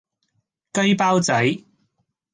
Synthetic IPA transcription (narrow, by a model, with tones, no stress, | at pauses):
kɵ˥ɥpaː˥wt͡sɐ˨˥j